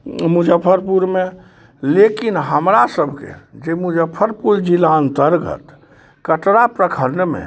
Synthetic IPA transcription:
mud͡ʒəpʰəɾpuɾme | lekinɦəmɾasəbʱkḛd͡ʒemud͡ʒəpʰːəɾpuɾd͡ʒilant̪əɾɡə̰t̪ | kəʈɾapɾəkʰəɾnəmḛ

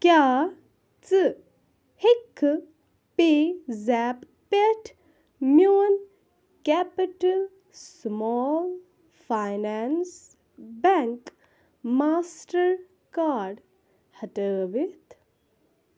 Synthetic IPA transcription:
kjaː | t͡sɨ | hekʰː | pezɛːp | peʈʰ | mjoːn | kæpiʈəl | smɔl | fajnans | bɛŋk | maːsʈəɾ | kaːɾɖ | hɐʈəːʋit̪ʰ

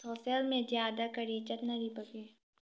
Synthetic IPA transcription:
soːsəlmẽzjaːd̪akɐɾit͡ʃət̪naɾibɐɡeː

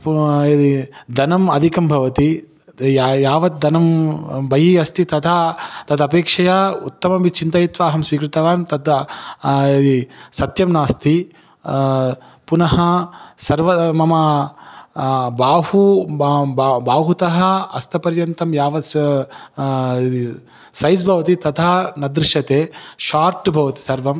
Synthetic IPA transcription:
ed̪id̪ɐnɐmɐd̪ʱikɐmbʱɐʋɐt̪i | jaːʋɐt̪̚d̪ʱɐnɐmbɐjiɐst̪it̪ɐt̪ʰat̪ɐd̪ɐpeːkʂɐjaːut̪ːɐmɐbit͡ʃint̪ɐjit̪ʋaːɦɐmsʋiːkɾit̪ɐʋaːnt̪ɐd̪ | ed̪isɐt̪jɐmnaːst̪ʰi | punɐɦɐsɐɾʋɐmɐmɐ | baːhu | baːɦut̪ɐɦɐ̆ɐst̪ʰɐpɐɾjɐnt̪ɐmjaːʋɐ | i | sɐjsbʱɐʋɐt̪it̪ɐt̪ʰaːnɐd̪ɾɪʃɐt̪eːʃaːɾʈbʱɐʋɐt̪i̥sɐɾʋɐm

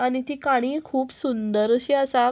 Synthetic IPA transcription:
aɽ̃it̪iːkaɽ̃iːkʰuːpsund̪əɾɕiəsa

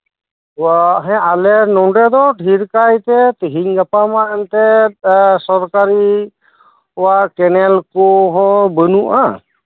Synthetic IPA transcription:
waɦɛ̃alɛɾnɔɳɖɛd̪ɔʈʰiɾkajt̪ɛt̪əɦiɲɡapamaɛnt̪ɛ | sɔɾkaɾi | waʔkɛnɛlkɔɦɔ̃bənuʔa

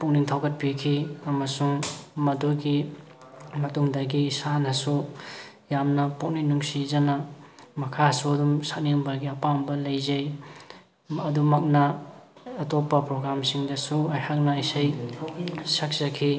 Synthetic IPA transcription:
puk̚niŋtʰawɡɐt̚pikʰiɐmɐsuŋmɐduɡi | mɐtuŋdɐɡisanɐsu | jamnɐpok̚ninuŋsizɐnɐmɐkʰasuɐdumsaniŋbɐɡiɐpambɐlɐjzɐj | ɐdumɐk̚nɐː | topːɐpɾoɡɾamsiŋdɐsuɐjhak̚nɐisaj | sak̚sɐkʰi

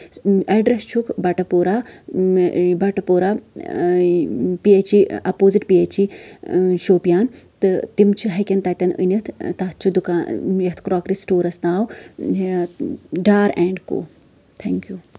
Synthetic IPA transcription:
ɐɖɾɐst͡ʃʰukbɐʈɐpoːɾaː | bɐʈɐpoːɾaː | piet͡ʃiɐpoːziʈpiet͡ʃʰi | ʃoːpijaːnt̪ɨt̪imt͡ʃʰiɦɐkʲɐnt̪ɐt̪ʲɐnə̰nɐt̪ʰt̪at̪̚t͡ʃʰud̪ukaːnjɐt̪ʰkɾaːkɾisʈoːɾɐsnaːw | ɖaːɾɛːɳɖko̰ː | t̪ʰɛŋkjuː

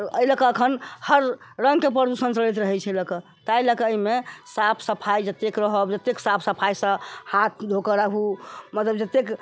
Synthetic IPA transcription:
ɾəjləkəəkʰənhəɾːə̃ŋɡkep̬ɾəɾd̪usənsəɾɛt̪̬ɾəɦɛt͡ʃʰɛləkə | t̪ajləkəəimesapʰsəpʰajd͡ʒət̪ekɾəɦəbd͡ʒət̪eksapʰsəpʰajsə̃hat̪̚ʰd̪ʱokəɾaɦumət̪ləbd͡ʒət̪ek

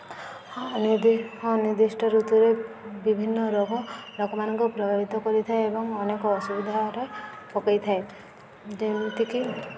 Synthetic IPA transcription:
nd̪hɔ̃niɾd̪isʈʰɔɾut̪uɾe | bibʱinːɔɾɔɡɔlokɔmanɔŋkupɾɔɡaɾit̪ɔkɔɾit̪ʰaeebɔŋɔnekɔːsubid̪ʱaɾe | pɔkajt̪ʰae | d͡ʒemt̪iki

